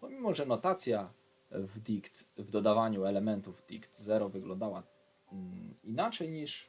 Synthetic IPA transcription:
pɔmʲimɔʐɛnɔt̪at̪sʲja | vd̪ʲikt̪vd̪ɔd̪avaɲuɛlɛmɛnt̪uvd̪ʲikt̪zɛɾɔvɘɡlɔ̃nd̪awa | inat͡ʂɛjɲiʂ

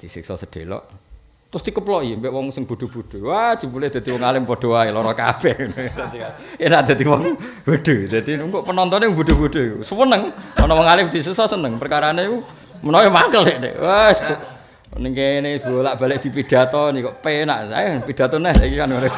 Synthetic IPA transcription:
d̪̥isḭksɔ̰səd̥elɔ̰ʔ | t̪ɾʊst̪ikəplɔimpɛʔwɔŋsəŋb̥ud̥̪ṳb̥ud̪̥o̤wḁd͡ʒ̥i̤buleʔd̪̥a̤d̪̥iwɔŋalɪmpod̪̥oaelɔɾɔka̰b̥ɛnɔd̪at̪ika | enaʔd̪̥a̤d̪iwɔŋb̥ud̪̥ud̪̥a̤d̪iŋkoʔpənɔnt̪ɔneŋb̥ud̪̥ṳb̥ud̪̥o̤ikusəwənəŋɔnɔwɔŋalɪpd̪̥isəksɔsənəŋpərkaɾaneku | mənɔwɛmakəleʔnḛwast̪ʊʔ | niŋkeneb̥olaʔb̥alɪʔ̚d̪̥i̤pid̪̥a̤t̪ɔnikɔʔpena̰ʔsa̰japid̪̥a̤t̪ɔnɛhsaikikanŋne

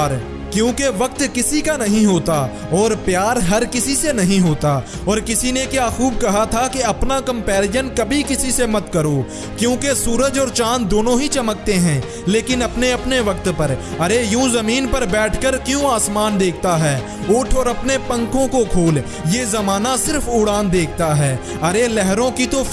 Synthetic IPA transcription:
ɾ | kjõːkeʋɐk̚t̪kɪsikanɐɦĩɦoːt̪a | ɔːɾpjaːɾɦɐɾkɪsisenɐɦĩɦoːt̪a | ɔːɾkɪsinekjaːxuːb̚kɐɦat̪ʰakeɐpnakɐ̃mpɛːɾɪjənkɐbʱikɪsisemɐt̪kɐɾo | kjõːkesuːɾəd͡ʒɔːɾt͡ʃãːnd̪oːnõɦit͡ʃɐmək̚t̪eɦɛ̃ː | leːkɪnɐpneɐpneʋɐk̚t̪pɐɾɐɾejũːzɐmiːnpɐɾbɛːʈʰkəɾkjõːaːsmaːnd̪eːkʰt̪aɦɛː | ʊʈʰɔːɾɐpnepɐ̃ŋkõkokʰoːl | jezɐmaːnasɪɾfʊɽaːnd̪eːk̚ʰt̪aɦɛː | ɐɾelɛɦɾõkit̪o

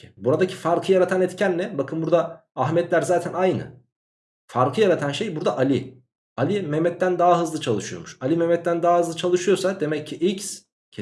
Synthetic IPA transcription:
buɾad̪acʰi̥faɾkʰɯjaɾat̪ʰanɛt̪cʰænlːʲɛbakʰɯnbuɾd̪aː | ɦmɛt̪lʲæɾzaːt̪ʰænajnɯ̰ | faɾkʰɯjaɾat̪ʰanʃejbuɾd̪aʔalʲɪ | alʲimɛmɛt̪ːænd̪aːaɦɯzlˠɯt͡ʃʰalˠɯʃujo̞̰muʃalʲimɛmɛt̪ːænd̪aaɦɯzlˠɯt͡ʃʰalˠɯʃɯjo̞sad̪e̞mɛcʰːiʔics | cʰ

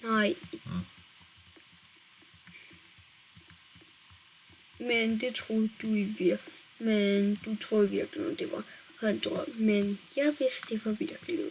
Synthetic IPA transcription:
naɪ | mend̥e̝t͡sʰʁoðˠd̥uiʋiɐ̰ | mend̥ut͡sʰʁoːðˠʋiɐɡ̥linɒd̥eʋɑ̈hɑnd̥ʁɔm̥menjɑɪʋesd̥d̥e̝ʋɑʋiɐɡ̥lḭ

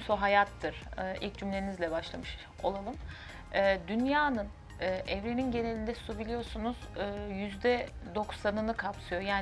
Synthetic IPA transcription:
soɦajat̪ʰːɯɾ̥ːʔilʲc̚d͡ʒymlʲe̞ɾinizlʲɛbaʃlˠamɯʃ | o̞̰lˠalˠɯm | ɯːd̪ynjaːnɯn | ɯːɛvɾeninɟe̞ne̞lʲind̪ɛsubilʲijo̞sunuz̥ɯːjyzd̪ɛd̪o̞ksanɯnɯkʰapsɯjo̞jaːn

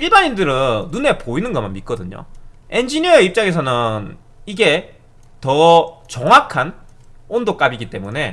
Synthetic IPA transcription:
iɭbaɲindɯɾɯnːune̞poinɯnɡʌmanmit̚k͈ʌdɯɲo̰e̞nd͡ʑiɲiʌeip̚t͡ɕ͈aɡe̞s̬ʰʌnɯn | iɡe̞ | tʌt͡ɕʌŋwakʰan | ondok͈abiɡit͈e̞mune̞

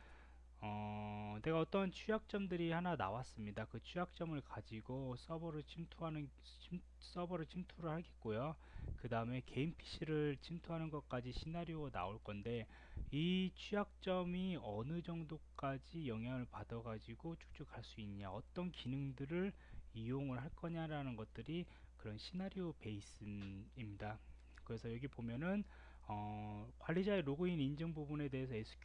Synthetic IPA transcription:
ʌne̞ɡaʌt͈ʌnt͡ɕʰujak̚t͡ɕ͈ʌmdɯɾihanana̰was͈ɯmɲidakɯt͡ɕʰujak̚t͡ɕ͈ʌmɯɭkad͡ʑiɡos͈ʌbʌɾɯɭt͡ɕʰimtʰuɦanɯn | s͈ʌbʌɾɯɭt͡ɕʰimtʰuɾɯɭhaɭɡet̚k͈ojo | kɯdaɯme̞ke̞impʰi̥ɕʰiɾɯɭt͡ɕʰimtʰuɦanɯnɡʌk͈ad͡ʑiɕʰinaɾjoona̰oɭk͈ʌnde̞ | it͡ɕʰujak̚t͡ɕ͈ʌmiʌnɯd͡ʑʌŋdok͈ad͡ʑijʌŋɦjaŋɯɭpadʌɡad͡ʑiɡot͡ɕʰu̥k̚t͡ɕ͈ukaɭs͈uinɲaʌt͈ʌnkinɯŋdɯɾɯɭ | ijoŋɯɭɦaɭk͈ʌɲaɾanɯnɡʌt̚t͈ɯɾi | kɯɾʌnɕʰinaɾiope̞is͈ɯimɲida | kɯɾe̞sʰʌjʌɡipomjʌnɯn | ʌkwaɭːid͡ʑaeɾoɡɯinind͡ʑɯŋbubune̞de̞esʰʌesʰu̥k

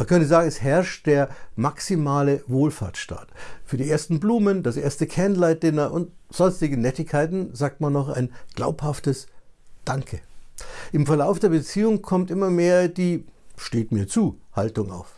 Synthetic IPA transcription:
mankʰœntəzaːɡŋ̩ɛshɛɐʃt̚d̥eːɐmaksimaːləvoːlfa̰ːɐtʃta̰ːɐtfyːɐdiːʔeːɐstn̩bluːməndasʔeːɐstəkʰɛɐnlaɪt̚d̥ɪnɐʔʊntz̥ɔnstɪɡənɛtɪçkʰaɪtn̩zaːk̚tmanːɔχa̰ɪnɡ̥la̰ʊphaftəsd̥aŋkʰə | ʔɪmfɛɐlaʊfd̥eːɐbət͡siːʊŋkʰɔmtʔɪmɐmeːɐdiːʃteːtmiːɐt͡suːhaltʊŋa̰ʊf

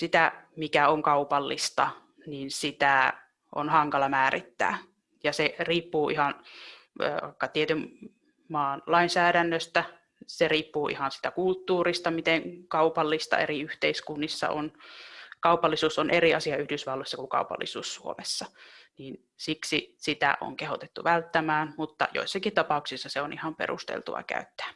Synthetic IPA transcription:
sit̪æmikæoŋkɑupɑlːist̪ɑ | niːnsit̪æ | ʔo̰nhɑŋkɑlɑmæːrit̪ːæ̰ː | jɑseriːpːuːʔihɑn̰ː | ʋɑ̰ikːɑt̪iet̪ym | mɑːnlɑinsæːɾænːøst̪æ | seriːpːuːʔḭhɑnsi̥t̪ækult̪ːuːrist̪ɑmit̪eŋkɑupɑlːist̪ɑ̰ḛriyht̪eiskunːisːɑ̰o̰nkɑupɑlːisuːsonʔeriɑsiɑyhdysʋɑlːoisːɑkukɑ̰upɑ̰lːḭsuːssuo̰mesːɑniːn | siksisit̪æ̰ʔo̰ŋkehot̪et̪ːuʋælt̪ːæmæːnmut̪ːɑ̰jo̰isːɑkit̪ɑpɑuksisːɑseonʔihɑmpḛrṵst̪ḛlt̪ṵʋɑ̰kæ̰yt̪ːæ̥ː

